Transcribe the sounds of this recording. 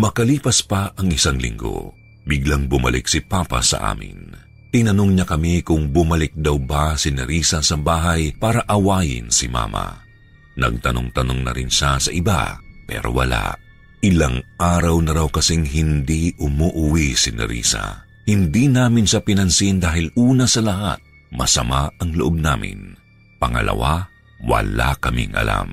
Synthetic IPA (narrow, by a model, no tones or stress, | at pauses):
mɐkɐliːpɐspɐʔɐŋɪsaŋlɪ̰ŋɡo̞̰ | bɪɡlaŋbʊmɐ̰lɪ̰k̚sɪpaːpɐ̰sɐ̰ʔa̰ːmɪ̰n | t̪ɪnɐnoŋɲɐkɐmikʊŋbʊmɐlɪk̚d̪ɐwbasɪnɛɾiːsɐsɐbaːɦɐjpaːɾɐʔɐwaːjɪ̰nsɪma̰ːmɐ̰ | nɐ̰ɡ̚t̪ɐno̰ŋt̪ɐnoŋnɐ̰ɾɪnʃasɐʔɪba̰pɛ̰ːɾo̰wɐ̰la̰ | ʔɪlaŋʔaːɾɐwnɐɾawkɐsiŋɦɪnd̪iʔʊmoʔʊwisɪnɛ̰ɾḭːsɐ̰ | hɪnd̪inaːmɪnʃɐpɪnɐnsind̪aːɦɪlʔuːnɐsɐlɐɦa̰t̪̚ | mɐsɐmaɐŋlʊʔob̚naːmɪ̰n | pɐŋɐ̰lʔɐ̰wa | wɐ̰la̰kɐmɪ̰ŋʔɐ̰la̰m